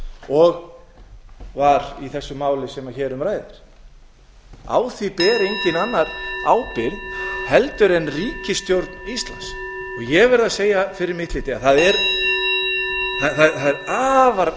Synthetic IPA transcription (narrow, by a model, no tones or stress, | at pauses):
ɔɣ | vaɾiθɛsːʏmaːwlɪsɛmaçɛːɾʏmɾaːjðɪɾ̥ | a̰wθipɛːɾejɲcɪnanːaɾaːwpɪɾðhɛlt̪ʏɾɛnriːcɪst̪jowɾt̪nist̪la̰nsɔɣjɛvɛɾɪðaseːjafɪɾɪɾmɪht̪lɪːt̪ɪaθaðɛɾ | θaθaðɛθaðɛɾaːvaɾ